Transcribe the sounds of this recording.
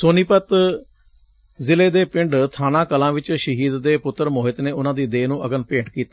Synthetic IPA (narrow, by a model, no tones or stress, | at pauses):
soːniːpət̪ | zɪleːd̪eːpɪɳɖt̪ʰaːnãːkəlãːʋɪt͡ʃʃəɦiːd̪ːeːpʊt̪ːəɾmoːɦɪt̪neːʊnãːd̪iːd̪eːnũːʔəɡənpẽːʈkiːt̪aː